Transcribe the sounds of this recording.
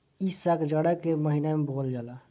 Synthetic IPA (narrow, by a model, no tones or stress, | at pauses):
isəkd͡ʒəɽəkeməɦinamebold͡ʒala